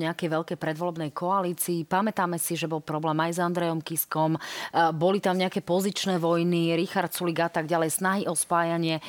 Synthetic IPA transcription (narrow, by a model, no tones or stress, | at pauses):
ɲɛakɛjʋɛʎkɛjpɾɛd̪ʋɔlɛbnɛjkʰɔaliːt͡siːpamɛt̪aːmɛsiʒɛbɔlˠpɾɔblɛːmajzand̪ɾɛjɔmkiskɔmbɔlit̪amɲɛakɛpɔzit͡ʃnɛːʋɔjniɾixaɾt̪suliɡat̪aɡɟalɛjsnaɦiʔɔspaːjaɲɪɛ